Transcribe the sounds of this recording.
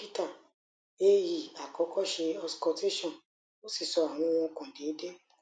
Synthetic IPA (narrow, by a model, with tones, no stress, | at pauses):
pi˦ta˦˨ | e˦ji˨a˨kɔ˨˦kʰɔ˦ʃe˧ɔ˧skɔ˧te˦ʃɔ̃˦˨ | o˦si˦˨sɔ˧a˨w̃ɔ̃˧w̃ɔ̃˧kɔ̃˨de˨˦de˦